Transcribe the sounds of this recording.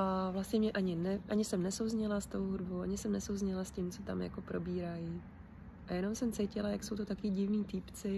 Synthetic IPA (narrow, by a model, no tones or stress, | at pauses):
ʔavlast̪ɲɛmɲɛʔaɲɪnɛʔaɲɪsɛmnɛsowzɲɛlast̪o̞wɦudbowʔaɲɪsɛmnɛsowzɲɛlascɪmt͡so̞t̪a̰mja̰ko̞pɾo̞biːɾajɪ | ʔajɛno̞msɛmt͡sɛjcɪlajakso̞wt̪ot̪akiɟɪvniːt̪ɪpt͡sɪ